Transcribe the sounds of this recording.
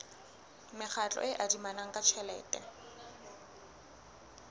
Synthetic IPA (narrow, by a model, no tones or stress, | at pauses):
mɪk͡xʰat͡ɬʼɔ̰ʔɪʔadimanaŋ̩kʼat͡ʃʰɛlɛ̰ːtʼɛ̰